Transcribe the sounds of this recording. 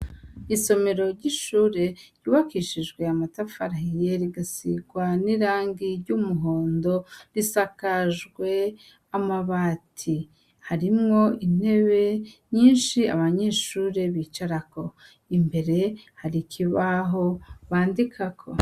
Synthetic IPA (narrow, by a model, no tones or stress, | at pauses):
iso̞me̞ɾo̞ɾɟiʃuːɾe̞ɾɟuːβakiʃiʒɡwe̞amatafaɾahijeɾiɡasḭɡwaniɾaːŋɡiɾɟuːmuɦo̞ːndo̞ɾisakaʒɡwe̞ | amaβaːtʰi | haɾimŋo̞ʔin̥e̞βe̞ɲiːnʃia̰βaɲe̞ʃuːɾe̞βiːt͡ʃaɾako̞ | imbe̞ɾe̞haɾikʰiβaɦo̞βaːndikʰakʰo̞̰